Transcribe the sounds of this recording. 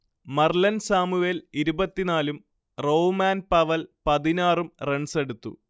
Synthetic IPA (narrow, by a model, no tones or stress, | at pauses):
mɐrlɐnsaːmuʋeliɾubɐt̪ːinaːlum | roːmaːnpɐʋɐlpɐðinaːrumreɳseɽut̪ːṵ